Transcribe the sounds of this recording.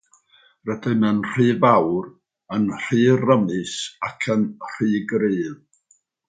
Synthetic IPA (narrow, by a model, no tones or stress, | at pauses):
rədɨmənr̥ɨːvawr | ənr̥ɨːrəmɨsakʰənr̥ɨːɡriːð